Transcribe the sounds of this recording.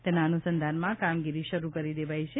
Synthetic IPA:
t̪ɛnaənusənd̪ʱanmãkamɡiɾiʃəɾukəɾid̪eʋajt͡ʃʰe

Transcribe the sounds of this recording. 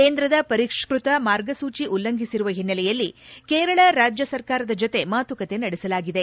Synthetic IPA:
keːnd̪ɾɐd̪ɐpɐɾikʂkɾut̪ɐmaːɾɡɐsuːt͡ʃiʔulːɐŋɡʱisiɾuʋɐɦinːɐlɛjɐlːikeːɾɐɭɐɾaːd͡ʒjɐsɐɾkaːɾɐd̪ɐd͡ʒot̪e̞maːt̪ukɐt̪e̞nɐɽɛsɐlaːɡid̪e̞

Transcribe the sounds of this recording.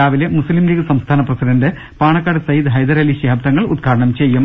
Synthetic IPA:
aːʋilemuslimliːɣɨsɐmst̪ʰaːnɐprɐsidɐndɨ | paːɳɐkːaːɽɨsɐjid̪ɦɐjd̪ɐɾɐliɕɐɦɐbd̪ɐŋːɐɭṵd̪̚ɡʰʱaːɽɐɳɐmt͡ɕe̞jːum

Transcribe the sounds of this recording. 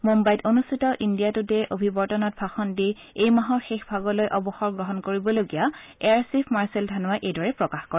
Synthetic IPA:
mumbajtonustʰitɔʔindijatutɛʔobʱibɔɹtɔnɔt̚bʱaxɔndi | ejmaɦɔɹxexbʱaɡɔlojʔɔbɔxɔɹɡɹɔɦɔnkoɹibɔloɡijaɛaɹsipʰmaɹseldʱanʊwaʔejdɔɹɛpɹɔkaxkɔɹɛ

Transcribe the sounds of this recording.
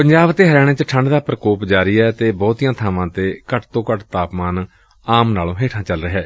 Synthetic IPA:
pəɲd͡ʒaːbt̪eːɦəɾɛːɽ̃ẽːt͡ʃəʈʰəɳɖd̪aːpɾəkoːpd͡ʒaːɾiːɛːt̪eːbɔːt̪iːjãːt̪ʰaːʋãːt̪eːkəʈt̪õːkəʈt̪aːpmaːn | aːmnaːlõːɦeːʈʰãːt͡ʃəlɾəɦɛː

